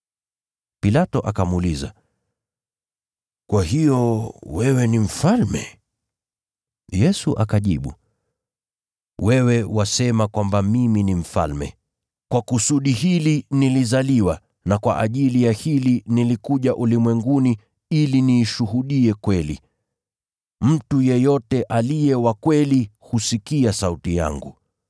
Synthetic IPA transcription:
pilatɔʔakamuliza | kwaɦijɔwɛwɛnim̩falmɛ̰ | jɛsuʔakaʄiɓṵ | wɛwɛwasɛmakwambamiminim̩fa̰lmɛ̰ | kwakusuɗihilinilizaliwa | nakwa̰ʔaʄilijahilinilikuʄaʔulimwɛŋɡuni | iliniːʃuɦuɗiɛkwɛlḭ | m̩tujɛjɔtɛʔalijɛwakwɛlihusikiasautija̰ŋɡu

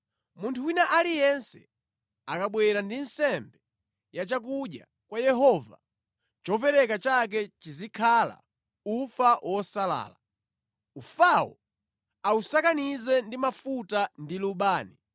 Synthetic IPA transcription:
muntʰuwinaʔalijɛnsɛ̰ | akaɓwɛɾandinsɛmbɛ | jat͡ʃak̬uɗja̰ | kwajɛɦɔva̰ | t͡ʃɔpɛɾɛkat͡ʃak̬ɛt͡ʃizikʰala̰ | ufawʔɔsala̰ːla | ufawɔ̰ | ausakanizɛndimafutandiluɓaːni

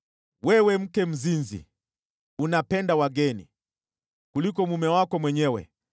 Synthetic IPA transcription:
wɛwɛm̩kɛm̩zinzḭ | unapɛndawaɡɛnḭ | kulikɔmumɛwakɔmwɛɲɛwɛ̰

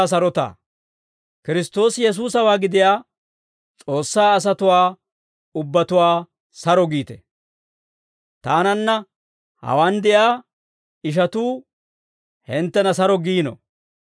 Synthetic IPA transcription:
s̬ɐɾɔt̪a̰ː | kɪɾɪst̪o̞ːsjɛs̬uːsɐwaːɡɪd̪ɪjaː | t͡sʼo̞ːsːaːɐs̬ɐt̪ʊwaː | ʊbːɐt̪ʊwaː | sɐɾɔɡiːt̪ɛ̰ | t̪aːnɐnːɐ | hɐ̰waːnd̪ɪjaː | ɪʃ̬ɐt̪uː | hɪnt̪ːɛnɐsɐɾɔɡiːnɔ̰

